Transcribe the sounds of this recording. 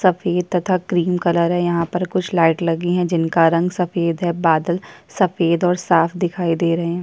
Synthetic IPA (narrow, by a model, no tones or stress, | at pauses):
sɐfeːd̪̚t̪ɐt̪ʰakɾiːmkɐləɾɦɛ̃jɐɦãpɐɾkʊt͡ʃʰlaːɪʈlɐɡiɦɛ̃d͡ʒɪnkaɾɐ̃ŋɡsɐfeːd̪ɦɛbaːd̪əl | sɐfeːd̪ɔːɾsaːfd̪ɪkʰaːid̪eːɾɐɦẽɦɛ̃ː